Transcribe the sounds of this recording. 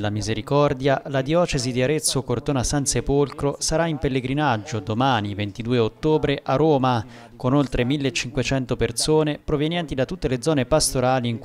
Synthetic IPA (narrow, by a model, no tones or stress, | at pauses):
lamizeɾikɔrd̪jalad̪jɔːt͡ʃezid̪iaɾet̪sːokort̪oːnasansepolkɾosaɾaimpelːeɡɾinad͡ʒːod̪omaːnivent̪id̪uːeot̪ːoːbɾeʔarːoːma | konolt̪ɾemilːet͡ʃːiŋkwet͡ʃɛnt̪opersoːnepɾovjɛnjɛnt̪id̪at̪ːut̪ːeled̪zɔːnepast̪oɾaːliːŋk